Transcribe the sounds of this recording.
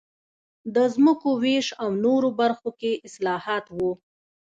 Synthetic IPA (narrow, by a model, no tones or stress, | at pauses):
d̪əzməkoweʃawnoɾobaɾxokeʔɪslɑhɑt̪wu